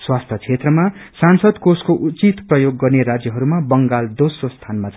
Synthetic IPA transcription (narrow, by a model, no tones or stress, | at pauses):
swast̪ʰʌt͡sʰet̪rʌmasansʌd̪koskoʔut͡sit̪prʌjoɡːʌrneɾad͡zjʌɦʌɾumabʌŋɡald̪osrost̪ʰanmat͡s